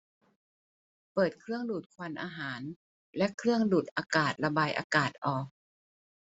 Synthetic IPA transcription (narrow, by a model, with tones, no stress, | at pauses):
pɤː˨˩t̪̚kʰɾɯ˥˩əŋduː˨˩t̪̚kʰwa˧nʔaː˧ɦaː˩˦n | lɛ˦˥ʔkʰɾɯ˥˩əŋduː˨˩t̪̚ʔaː˧kaː˨˩t̪̚la˧baː˧jʔa̰ː˧kaː˨˩t̪̚ʔɔː˨˩k̚